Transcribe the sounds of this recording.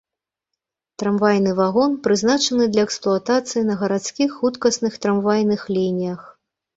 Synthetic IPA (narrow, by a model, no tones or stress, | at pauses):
t̪ɾamvajnɨvaɣɔnpɾɨznat͡ʂɐnɨd̪lʲɐɛksplˠuɐt̪at̪sɨjinɐɣɐɾat̪skʲixːut̪kɐsnɨxt̪ɾamvajnɨxlʲinʲijɐx